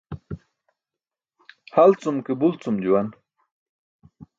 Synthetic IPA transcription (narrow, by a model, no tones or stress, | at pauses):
halt͡sumkebult͡sumd͡ʑuwan